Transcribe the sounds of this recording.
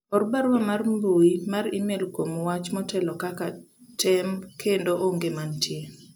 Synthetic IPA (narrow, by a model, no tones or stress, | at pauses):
ɔɾbaɾwamarmboimaɾimelkwomwat͡ʃmɔtʰɛlɔkaka | tɛmkʰendoʔoŋɡemantʰje